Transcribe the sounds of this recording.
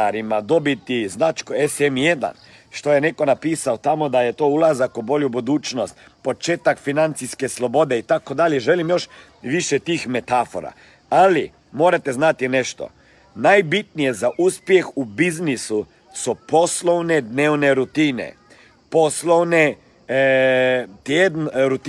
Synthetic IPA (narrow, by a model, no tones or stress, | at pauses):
aɾimad̪obit̪iznat͡ʃkoesemjed̪a̰n | ʃt̪o̞jeneko̞napiːsaot̪amod̪ajet̪oulˠazakubo̞ljubud̪uːt͡ʃnost̪ | po̞t͡ʃeːt̪akfinant̪siskeslˠo̞bo̞d̪eit̪akod̪aljeʒelimjo̞ʃ | ʋiʃɛt̪iːxmet̪afo̰ɾa̰ | ali | moːɾat̪ɛznat̪inɛʃt̪ɔ̰ | najbit̪nijɛzaʔuːspjɛxubiznisu | sɔposlownɛd̪neːwnɛɾut̪iːnɛ̰ | poslowne | t̪jed̪nɾut̪